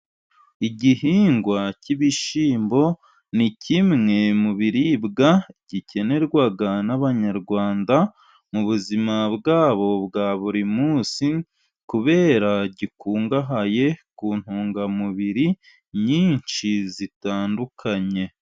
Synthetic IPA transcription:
iɟihiːŋɡwaciβiʃiːmbo̞ | nicʰimŋe̞muβiɾibɡaɟ̥ice̞ne̞ɾɡwaɡanaβaɲaɾɡwaːnda | muβuzimabɡaːβo̞bɡaːβuɾimuːsi | kuβe̞ːɾaɟikuːŋɡaɦaje̞kuːn̥huːŋɡamuβiɾi | ɲiːɲt͡ʃizitaːndukʰaɲe̞

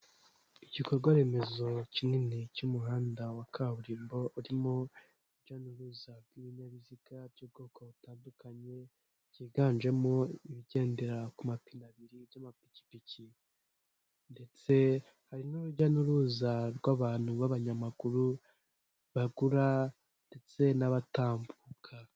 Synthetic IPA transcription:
iɟikoɾɡwaɾe̞me̞zo̞cimŋinecumuhaːndawakʰaβuɾiːmbo̞uɾimo | uɟanuɾuːzaɾɡwiβiɲaβiziɡabɟub̚ɡo̞ːkʰoβutaːndukaɲe̞ | ciːɡaːnd͡ʒe̞mo̞iβiɟe̞ːnde̞ɾakumapinaβiɾibjamapi̥ci̥pici | nde̞t͡se̞ | haɾinuɾuɟanuɾuːzaɾɡwaβaːn̥huβaβaɲamaɡuɾu | βaɡuɾa | nde̞t͡se̞naβataːmbukʰa

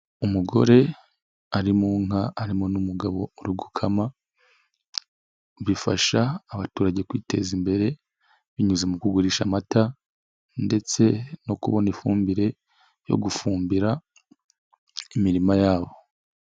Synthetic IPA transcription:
umuɡo̞̰ɾe̞ | aɾimuŋaaɾimo̞numuɡaβo̞uɾuɡukʰama | βifa̰ʃaːβatuːɾaɟe̞kwiːte̞zimbe̞ɾe̞ | βiɲuzemukuɡuɾiːʃamata | nde̞t͡se̞no̞kuβo̞nifuːmbiɾe̞ | jo̞̰ɡufuːmbiɾa | imiɾimajaːβo̞

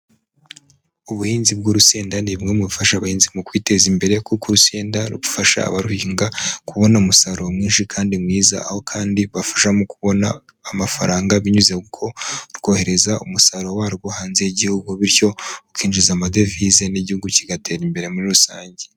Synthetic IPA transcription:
uβuhiːnzibɡuɾuse̞ːndanimŋe̞muβufaʃaβahiːnzimukwiːte̞zimbe̞ɾe̞kukuɾuse̞ːndaɾṵβufaʃa̰ːβaɾuhiːŋɡakuβo̞naumusaɾo̞mŋiːnʃikʰaːndimŋiːza̰a̰ho̞kʰaːndiβafḁʃamukuβo̞naː | mafa̰ɾaːŋɡaβiɲuzekukʰo̞ɾɡo̞ːhe̞ɾe̞zaumusaɾo̞waːɾɡohaːnzejiɟihuɡuβiɾco̞ukiːnd͡ʒizamade̞fize̞niɟihuɡuciɡateɾimbe̞ɾe̞muɾiɾusaːɲɟe

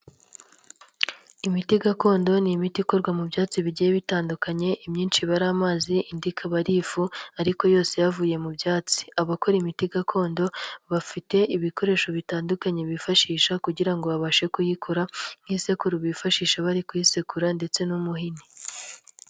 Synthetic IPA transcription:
imitiɡako̞ːndo̞nimitiko̞ɾɡwamubjaːt͡siβiɟijeβitaːndukaɲe̞ʔimɲiːnʃiβaɾaːmaːziʔindikʰaβaɾiːfuaɾiko̞jo̞ːse̞javuːje̞mubjaːt͡si̥aβako̞ɾimitiɡakʰo̞ːndo̞βafite̞iβiko̞ɾe̞ːʃo̞βitaːndukaɲeβifaʃiːʃakuɟiɾaŋɡo̞βaβaʃe̞kujikʰuɾaŋ̥iːse̞kuɾuβifaʃiːʃaβaɾikujisekuɾande̞t͡se̞numuɦini

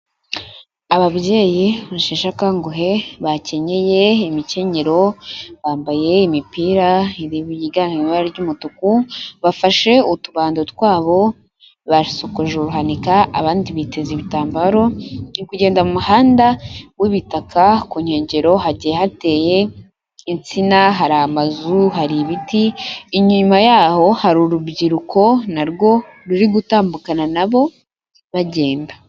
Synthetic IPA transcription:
aβabje̞ːjiβaʃeːʃakaŋɡoɦe̞βace̞ɲe̞je̞imice̞ɲeɾo̞βaːmbaje̞imipiːɾaiɾijiɡaːnimiβaɾaɾɟuːmutukuβafaʃe̞utuβaːndotwaːβo̞ | βasokoʒeuɾuɦanikaa̰βaːndiβite̞ziβitaːmbaɾo̞nikuɟe̞ːndamumuhaːndawiβitakʰakuɲe̞ːɲɟe̞ɾo̞ɦaɟiehate̞ːje̞ | int͡sinaɦaɾamazuɦaɾiβitiiɲuɲumajaːho̞haɾuɾubɟiɾukʰo̞naɾɡo̞ɾuɾiɡutaːmbukananaβo̞ | βaɟe̞ːnba

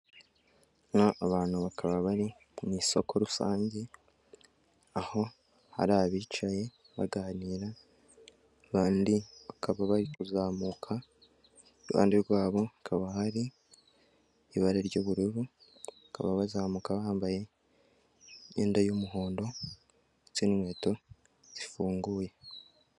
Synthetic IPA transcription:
naʔːβaːn̥huβakaβaβaɾi | umiːso̞̰kʰo̞ɾusa̰ːɲɟe | aho̞ | ha̰ɾaβiːt͡ʃaje̞ | βa̰ɡaniːɾa | βaːndiβakʰaβaβaɾikuzaːmukʰa | βa̰ːndiɾɡwaːβo̞akʰaβahaɾi | βaɾeɾɟoːβuɾuɾuaka̰βaβazaːmuːkaβaːmbaje̞ | jḛːndajomuɦo̞ːndo̞ | t͡sinimwe̞ːto̞ | z̥ifuːŋɡuːje̞

